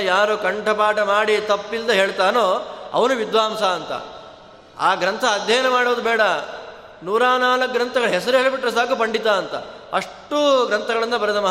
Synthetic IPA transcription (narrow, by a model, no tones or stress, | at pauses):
jaːɾukɐɳʈʰɐpaːʈɐmaːɽit̪ɐpːild̪ɐɦeːɭt̪aːnoːɐ̰ʋɐnuʋid̪ʋaːmsaːnt̪ɐ̰ | a̰ːɡɾɐnt̪ʰɐːd̪ʱjɐjɐnɐmaːɽoːd̪ubɛːɽɐ | nuːɾaːnaːlɐk̚ɡɾɐnt̪ʰɐɡɐɭuɦesɐɾuɦeːɭbiʈːɾɐsaːkupɐɳɖit̪aːɐnt̪ɐ̰ | ɐʂʈuɡɾɐnt̪ʰɐɡɐɭind̪ɐpɐɾɐt̪ɐmɐɦ